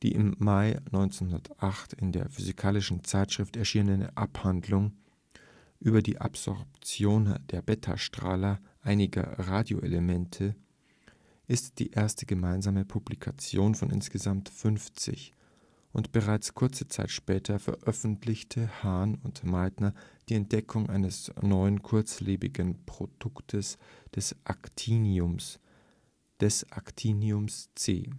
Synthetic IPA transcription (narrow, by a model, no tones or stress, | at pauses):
d̥ḭːʔɪ̰mːaɪnɔʏnt͡senhɦʊndɐtʔaχtɪndḛːɐfyzikʰaːlɪʃn̩t͡saɪtʃʁ̥ɪftɛɐʃiːnənənʔaphandlʊŋ | ʔyːbɐdḭːʔa̰pz̥ɔ̰ɐpt͡sjoːnd̥eːɐbɛtʰa̰ʃtʁ̥a̰ːlɐʔaɪnɪɡɐ̰ʁaːdjo̰ʔḛləmɛntʰə | ʔɪstd̥ḭːʔeːɐstəɡəmaɪnzaːməpʰublikʰa̰t͡sjoːnfɔnʔɪ̰nsɡ̥əzamtfʏnft͡sɪ̰ç | ʔʊntb̥əʁaɪt͡skʰʊɐt͡sət͡sa̰ɪtʃpɛːtʰɐfɛ̰ɐʔœfn̩tlɪçtʰəhaɐnʊntmaɪtnɐd̥iːɛnt̚d̥ɛkʰʊŋʔa̰ɪnəsnɔʏənkʰʊɐt͡sleːbɪ̰ɡənpʁ̥od̥ʊktʰəsd̥ɛsʔa̰ktʰiːniʊms | d̥ɛsʔaktʰiːniʊmst͡sḛː